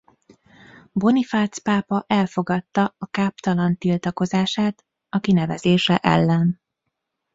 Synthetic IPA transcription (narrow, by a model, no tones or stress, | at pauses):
bo̞nifaːt̪spaːpɒʔɛlfo̞ɡɒt̪ːɒɒkaːpt̪ɒlɒnt̪ilt̪ɒko̞zaːʃaːt̪ | ɒkinɛvɛzeːʃɛʔɛ̰lːɛn